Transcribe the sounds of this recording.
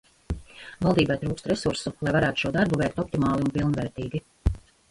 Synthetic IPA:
valˠd̪iːbajt̪ɾuːkst̪ɾɛsuɾsulˠajvaɾæːt̪u̥ʃuɔd̪aɾbuvɛjkt̪ɔpt̪imaːlˠiunpilˠnvɛːɾt̪iːɡʲi

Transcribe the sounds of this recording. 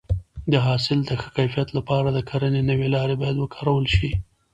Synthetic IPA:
d̪əɦɑsɪld̪əxə̥kajfijat̪lapɑɾad̪əkʰaɾənenəwelɑɾebɑjad̪wəkʰɑ̥ɾawəlʃi

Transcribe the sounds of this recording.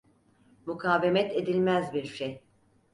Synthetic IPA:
mukʰaːve̞mɛt̪ʰe̞d̪ilʲmæzbiɾʃej

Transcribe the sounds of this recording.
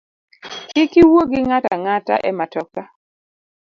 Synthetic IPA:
ɪkɪwoɡɪŋata̰ŋata̰ʔɛmatɔka

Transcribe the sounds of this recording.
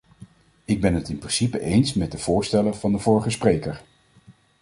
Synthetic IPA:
ɪɡ̚bɛnɦətɪmprɪnsipəʔejnsmɛt̚dəv̥ʊːɹstɛləvɑndəvʊːɹəχəsprejkəɹ

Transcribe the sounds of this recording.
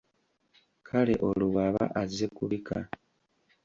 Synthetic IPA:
kʰale̞ʔoluβaβa̰ʔazekuβikʰa

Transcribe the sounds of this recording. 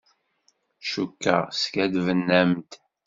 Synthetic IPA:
ʃukːa̰ʁskæd̪vənːæmt̪

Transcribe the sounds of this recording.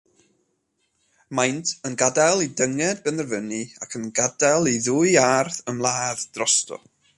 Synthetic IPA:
majntʰənɡadalˠidəŋɛd̚bɛnərvənia̰kʰənɡadalˠiðuːɨarθəmlˠaːðd̥rɔstɔ̰

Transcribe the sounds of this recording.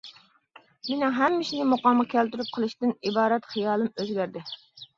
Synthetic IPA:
menɪŋɦɛmːɪʃinɪmuqɑməkʲʰælt̪yɾyp̚qʰəlˠɨʃt̪ɪnibɑːɾɛt̪χijɑːlˠɨmøzɡʲæɾd̪ɪ

